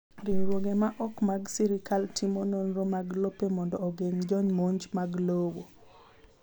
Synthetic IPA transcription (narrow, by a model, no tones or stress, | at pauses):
ɾiŋɾwoɡemaʔɔkmaɡsiɾikaltimononɾomaɡlopemɔndɔːɡeɲd͡ʒɔɲmoɲd͡ʒmaɡlowo